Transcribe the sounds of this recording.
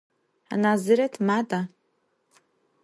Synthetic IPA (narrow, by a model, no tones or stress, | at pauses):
a̰nazɨɾatʰmatʼa